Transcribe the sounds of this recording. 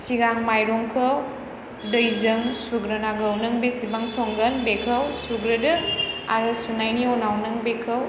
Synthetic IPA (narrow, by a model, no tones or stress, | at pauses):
siɡaŋmajɾɔŋkʰɐw | dəjzɯŋsuɡɾɐnaɡəwnɯŋbesibaŋsoŋɡɐnbekʰɐwsuɡɾɯdɯa̰ɾɯsunajniɔnawnɯŋbekʰɐw